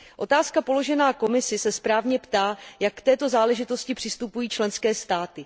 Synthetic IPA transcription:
ʔo̞t̪aːskapo̞lo̞ʒɛnaːko̞mɪsɪsɛspɾaːvɲɛpt̪aːjakːt̪ɛːt̪o̞zaːlɛʒɪt̪o̞scɪpr̝̥ɪst̪upujiːt͡ʃlɛnskɛːst̪aːt̪ɪ

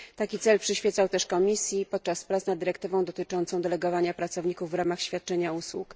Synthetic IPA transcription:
t̪akʲit̪sɛlpʂɘɕfʲɛt̪sawt̪ɛʂkɔmʲisʲjipɔt̪̚t͡ʂaspɾat̪snad̪ːɘɾɛk̚t̪ɘvɔ̃w̃d̪ɔt̪ɘt͡ʂɔnt̪sɔ̃w̃d̪ɛlɛɡɔvaɲapɾat̪sɔvɲikuvːɾamaxɕfʲjat̪̚t͡ʂɛɲauswuk

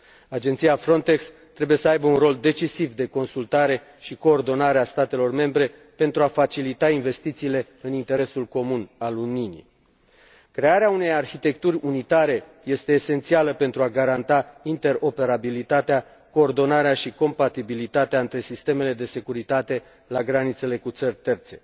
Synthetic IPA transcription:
ad͡ʒe̞nt̪siafɾo̞nt̪e̞ks | t̪ːɾe̞buje̞səajbəunro̞ld̪e̞t͡ʃisivd̪e̞ko̞nsult̪aɾe̞ | ʃiko̞ːrd̪o̞naɾeast̪at̪e̞lo̞rme̞mbɾe̞ | pe̞nt̪ɾuafat͡ʃilit̪ainve̞st̪it̪siːle̞ | ɨnint̪e̞ɾe̞sulko̞munaluninḭ | kɾe̞aɾeaune̞jarçit̪e̞kt̪urʲunit̪aɾe̞ | je̞st̪e̞ːse̞nt̪sialəpe̞nt̪ɾuaɡaɾant̪aint̪e̞ɾo̞pe̞ɾabilit̪at̪ea | ko̞ːrd̪o̞naɾeaʃiko̞mpat̪ibilit̪at̪eaɨnt̪ɾe̞sist̪e̞me̞le̞d̪e̞se̞kuɾit̪at̪e̞ | laɡɾanit̪se̞le̞kut̪sərʲt̪e̞rt̪se̞̥

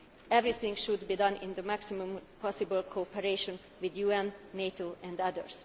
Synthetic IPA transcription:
ɛvɹiθɪ̃ŋɡʃud̪biːd̪ʌ̃nɪ̰̃nd̪əmæksimũmpʰɔsibəlkʰopɛɾeʃɔ̃n | wid̪juɛ̃nːeːt̪oːʔɛ̃nd̪ʌd̪ə̰ɹs

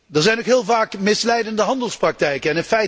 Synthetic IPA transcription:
dəɹzɛjnokɦɪːlˠvaːkmɪslɛjdəndəɦɑndəlˠsprɑk̚tɛjkəɛnɪnfɛj

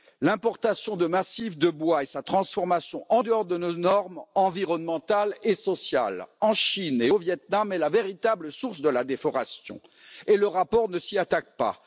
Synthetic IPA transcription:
lɛ̃pɔʁt̪asjɔ̃d̪əmasifd̪əbwaesat̪χɑ̃sfɔʁmasjɔ̃ʔɑ̃d̪əɔʁd̪ənonɔʁmɑ̃viʁɔnmɑ̃t̪alesɔsja̰lɑ̃ʃineovjɛt̪̚namɛlaveʁit̪abləsuʁsd̪əlad̪efɔʁasjɔ̰̃ | eləʁapɔʁnəsiat̪ak̚pa̰

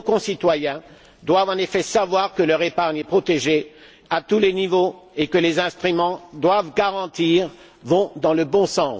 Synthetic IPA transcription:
kɔ̃sit̪wajɛ̃ | d̪wavɑ̃nefɛsavwaʁkəlœʁepaʁɲɛpχɔt̪eʒe | at̪ulenivoekəlezɛ̃st̪χymɑ̃d̪wavɡaʁɑ̃t̪iʁ | vɔ̃d̪ɑ̃ləbɔ̃sɑ̃

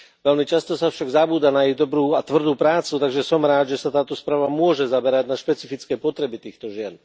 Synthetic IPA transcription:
ʋɛlmit͡ʃast̪ɔsafʃaɡzabuːd̪anaiɣd̪ɔbɾuːat̪ʋr̩d̪uːpɾaːt͡sut̪aɡʒɛsɔmɾaːd̪ʒɛsat̪aːt̪ɔspɾaːʋamʊɔʒɛzabɛɾaɟnaʃpɛt͡sifit͡skɛjpɔt̪ɾɛbit̪iːxt̪ɔʒɪɛn

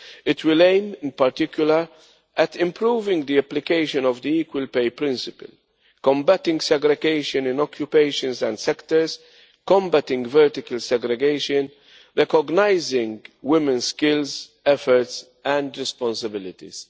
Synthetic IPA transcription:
ɪt̪ʰwɪlẽɪ̃mɪ̃npɐɾt̪ɪkjʊləɾ | ʔɛt̪ɪ̃mpɾuːvɪ̃ŋɡd̪iɛplɪkeɪʃə̃nɔvd̪iiːkwəlpeɪpɾɪ̃nsɪpə̰l | kɔ̃mbæt̪ɪ̃ŋɡsɛɡɾɛɡeɪʃə̃nɪ̃nɔkʰjupeɪʃə̃nsɛ̃nd̪sɛkt̪əɾs | kɔ̃mbæt̪ɪ̃ŋɡvɛɾt̪ɪkəlsɛɡɾɛɡeɪʃə̃n | ɾɛkɔɡnaɪzɪ̃ŋɡwɪmɛ̃nskɪlz | ɛfɔɾts | ɛ̃nd̪ɾɛspɔ̃nsəbɪlɪt̪ḭz̥

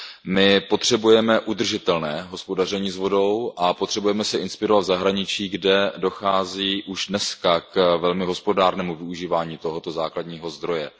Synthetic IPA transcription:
mɪpo̞t̪r̝̥ɛbujɛmɛʔud̪r̩ʒɪt̪ɛlnɛːɦospo̞dar̝ɛɲiːzvo̞do̞wʔapo̞t̪r̝̥ɛbujɛmɛsɛʔɪnspɪɾo̞vat̪vzaɦɾaɲɪt͡ʃiːɡdɛdo̞xaːziːʔuʒdnɛskakvɛlmɪɦo̞spo̞daːɾnɛːmuvɪuʒiːvaːɲiːt̪o̞ɦo̞t̪o̞zaːkladɲiːɦo̞zd̪ɾo̞jɛ

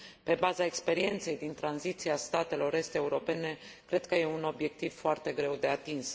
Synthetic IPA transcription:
pe̞bazaekspe̞ɾie̞nt̪se̞jd̪int̪ɾanzit̪siast̪at̪e̞lo̞ɾe̞st̪e̞uɾo̞pe̞ne̞kɾe̞d̪̚kəje̞uno̞bje̞k̚t̪iv̥foart̪e̞ɡɾe̞wd̪e̞at̪ins

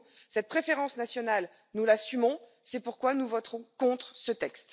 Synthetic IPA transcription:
sɛt̪̚pχefeʁɑ̃snasjɔnal | nulasymɔ̃ | sɛpuʁkwanuvɔt̪χɔ̃kɔ̃t̪χsət̪ɛkst̪

